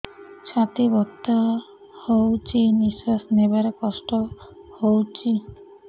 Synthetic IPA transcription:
ʃʰat̪ibɔt̪ːa | howt͡ɕiniʃasnebaɾkɔʃʈohowt͡ɕi

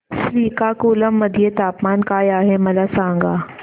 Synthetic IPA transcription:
sliːkakuːləmːɐd̪ʱjet̪aːpmaːnkaːjaːɦemɐlasãːŋɡaː

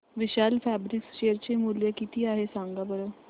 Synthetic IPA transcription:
ʋiɕaːlfæbɾiksʃeəɾt͡ɕemuljəkit̪iːaɦesãŋɡabəɾo

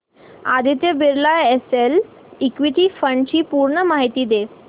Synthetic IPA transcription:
ad̪ʱit̪jebeɾlaesel | ikʋiʈ̪iːfəɳɖt͡ɕiːpuɾɳəmaɦit̪iːd̪e

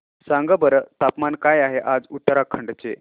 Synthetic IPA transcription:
sãŋɡəbəɾət̪apmankajaɦeʔad͡zut̪ːəɾakʰəɳɖt͡se

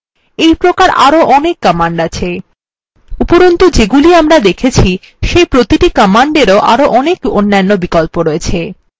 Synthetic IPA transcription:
ejpɾokaɾa̰ɾoʔɔnekːɔmaɳɖat͡ɕʰe | upoɾont̪od͡ʑeɡuliamɾad̪ekʰet͡ɕʰi | ʃejpɾot̪iʈikɔmaɳɖeɾoʔa̰ɾoʔɔnekonːanːobikɔlpoɾɔet͡ɕʰe

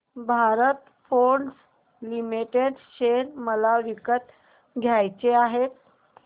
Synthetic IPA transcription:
bʱaɾət̪ | foɳɖs | limiʈeɖɕeɾməlaʋikət̪ | ɡʱjajt͡seaɦet̪̚

